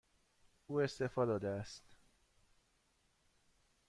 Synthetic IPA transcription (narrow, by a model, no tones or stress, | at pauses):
uːe̞st̪e̞fɒːd̪ɒːd̪eæst̪